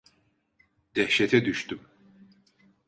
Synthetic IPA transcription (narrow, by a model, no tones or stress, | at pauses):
d̪̥ɛhʃɛt̪ʰɛd̪yʃt̪ym